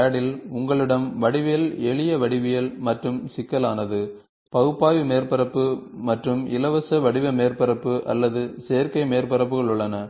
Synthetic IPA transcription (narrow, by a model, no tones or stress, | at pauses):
ɐɽɪlʊŋɡɐɭɪɽɐmʋɐɽɪʋɪjɐlɛɭɪjɐʋɐɽɪʋɪjɐlmɐʈrɯmsɪkːɐlaːnɐðɯ | pɐɣɯpːaːʋimeːɾpɐɾɐpːɯmɐʈrɯmɪ̰lɐʋɐsɐʋɐɽɪʋɐmeːɾpɐɾɐpːɯʔɐ̰lːɐðɯseːɐɾkɐɪmeːɾpɐɾɐpːɯɣɐɭʊɭːɐnɐ